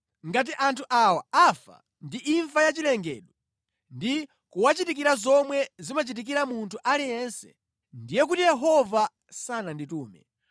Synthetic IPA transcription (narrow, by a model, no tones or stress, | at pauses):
ŋɡat̬iʔantʰuʔawaafa̰ | ndiʔiɱvajat͡ʃilɛŋɡɛ̰ːɗɔ | ndi | kuwat͡ʃitik̬iɾazɔmwɛzimat͡ʃit̬ik̬iɾamuntʰuʔalijɛnsɛ̥̰ | ndijɛk̬utijɛɦɔva | sanandituːmɛ̰